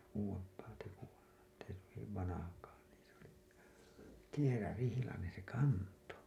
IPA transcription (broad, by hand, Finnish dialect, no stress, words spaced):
uːwempˑɑː tekuɑ etː ei hyʋiʋ ʋɑnɑhɑkɑː niːn̞ s oli kierærihilɑnen̞ se kɑnto